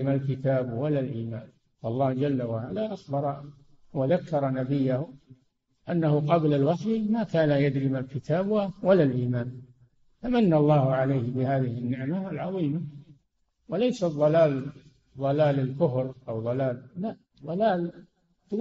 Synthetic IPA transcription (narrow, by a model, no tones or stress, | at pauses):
ɪmalkɪt̪aːbwalːalʔiːmaːn | fɑlˤːɑːhd͡ʒalːawaʕalaʔaxbɑɾˤɑ | waðakːɑɾˤnabɪjːah | ʔanːahʊqɑblalwaħijmakaːnajad̪ɾɪmalkɪt̪ʰaːbwawalːalʔiːmaːn | famanːaɑlˤːɑːhʊʕalajhɪbɪhaːðɪhɪnːɪʕmaalʕɑðˤiːma | walajsaðˤːɑlaːl | ðˤɑlaːlɪlkʊfɾʔawðˤɑlaːlːaʔ | ðˤɑlaːl | t̪